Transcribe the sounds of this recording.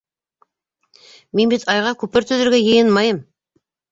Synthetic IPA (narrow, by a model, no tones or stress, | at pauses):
me̞nbet̪ʰɑjʁɑkʲʰɵpɪɾt̪ʰʏzɪɾɡʲejejɪnmɑjəm